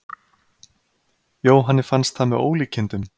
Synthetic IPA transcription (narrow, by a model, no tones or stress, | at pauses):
joːwɦanːɪfanst̪θamɛðo̰ːwliːcʰɪnt̪ʏm